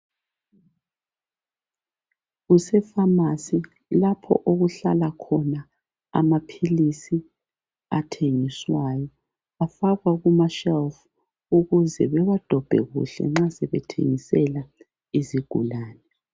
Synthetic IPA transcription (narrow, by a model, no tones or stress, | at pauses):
ɣusɛfamasi | lapʰɔ̰ʔoɣuɬalakʰɔna | a̰mapʰilisi | atʰeŋiswajɔ | afaɣwaɣumaʃɛlf | uɣuzɛβɛβad̥ʱɔb̥ʱɛ̰ɣṵɬɛ̰ŋ͡ǁasɛβɛtʰḛŋisɛla | iziɡ̥ʱulaːnɛ